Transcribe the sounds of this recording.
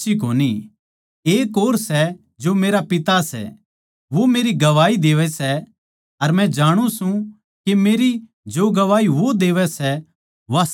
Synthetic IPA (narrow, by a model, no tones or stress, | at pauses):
ikoːni | eːkoːɾsɛ | d͡ʒomeːɾapɪt̪asɛ̰ | ʋomeːɾiɡɐʋaːid̪eːʋɛsɛ | ɐɾmɛ̃d͡ʒaːɽ̃ũsũ | kemeːɾi | d͡ʒoːɡɐʋaːiʋod̪eːʋɛsɛ | ʋa